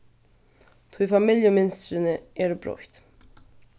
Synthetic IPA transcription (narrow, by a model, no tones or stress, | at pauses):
t̪ʰɔjfamɪljəmɪnst̪ɾənəɛɾbɾɔ̰çt̪